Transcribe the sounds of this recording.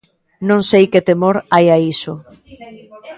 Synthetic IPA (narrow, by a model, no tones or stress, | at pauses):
nõŋsejket̪emoɾajaiso